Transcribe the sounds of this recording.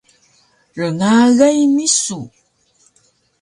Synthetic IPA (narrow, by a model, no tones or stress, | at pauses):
rəŋaɣajmisu